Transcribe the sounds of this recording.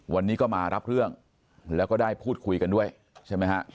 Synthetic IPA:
wa˧nːiː˦˥kɔː˥˩maː˧ɾa˦˥p̚ɾɯ˥˩əŋ | lɛː˦˥wkɔː˥˩daː˥˩jpʰuː˥˩t̪̚kʰu˧jka˧ndu˥˩əj | t͡ɕʰa˥˩jma˦˥jkʰa˦˥ʔ

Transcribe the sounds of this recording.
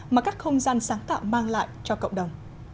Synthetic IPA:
maː˨˩kaː˦˥k̚xə˧wŋ͡mzaː˧nsaː˨˦ŋt̪a̰ː˧˨wmaː˧ŋla̰ː˧˨jt͡ɕɔ˧kə̰˧˨wŋ͡mɗə˨˩wŋ͡m

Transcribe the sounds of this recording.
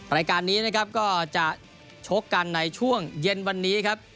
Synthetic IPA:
ɾaː˧jkaː˧nːiː˦˥na˦˥kʰa˦˥p̚kɔː˥˩t͡ɕa˨˩ʔ | t͡ɕʰo˦˥kːa˧nːa˧jt͡ɕʰu˥˩əŋje˧nwa˧nːiː˦˥kʰa˦˥p̚

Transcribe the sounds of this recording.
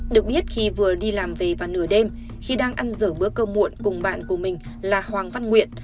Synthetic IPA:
ɗɨ˨˩ək̚ɓi˦˥ət̚xi˧vɨ˨˩əɗi˧laː˨˩mve˨˩vaː˨˩nɨ˧˩əɗe˧m | xi˧ɗaː˧ŋʔa˧nzəː˧˩ɓɨ˨˦əkəː˧mṵ˧˨ənkʊ˨˩ŋ͡mɓa̰ː˧˨nku˧˩əmï˨˩ŋ̟ | laː˨˩hwaː˨˩ŋva˧nŋwḭ˧˨ən

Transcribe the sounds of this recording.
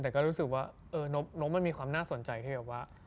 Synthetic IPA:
t̪ɛː˨˩kɔː˥˩ɾuː˦˥sɯ˨˩k̚waː˥˩ʔɤː˧no˦˥p̚no˦˥p̚ma˧nmiː˧kwaː˧mnaː˥˩so˨˩˦nt͡ɕa˧jt̪ʰiː˥˩bɛː˨˩p̚waː˥˩

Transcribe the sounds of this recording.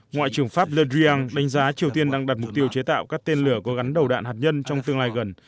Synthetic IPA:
ŋwa̰ː˧˨t͡ɕɨ˧˩ə˩ŋfaː˦˥p̚lə˧zi˧aː˧ŋɗa˨˦ŋ̟zaː˨˦t͡ɕi˨˩əwt̪i˧ənɗaː˧ŋɗaː˨˩t̚mʊ˨˩k͡p̚t̪i˧əwt͡ɕe˨˦t̪a̰ː˧˨wkaː˦˥k̚t̪e˧nlɨ˧˩əkɔ˨˦ɣa˨˦nɗə˨˩wɗa̰ː˧˨nhaː˨˩t̚ɲə˧nt͡ɕɔ˧wŋ͡mt̪ɨ˧əŋlaː˧jɣə˨˩n

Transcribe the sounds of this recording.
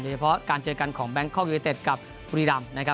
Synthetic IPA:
doː˧˩t͡ɕʰa˧pʰɔ˦˥kaː˧nt͡ɕɤː˧ka˧nkʰɔː˩˦ŋbɛ˦˥ŋkʰɔː˥˩jt̪e˨˩t̪̚ka˨˩p̚ | ɾiː˧ɾa˧mna˦˥kʰa˦˥

